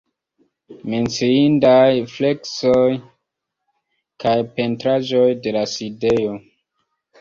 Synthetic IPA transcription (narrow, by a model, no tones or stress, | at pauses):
me̞nt͡siindajfle̞ksoj | kajpe̞ntɾad͡ʒo̞jde̞laside̞o